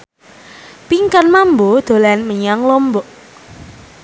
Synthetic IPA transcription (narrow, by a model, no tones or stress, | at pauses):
piŋkanmambɔd̪̥o̤lanməɲaŋlɔmbɔʔ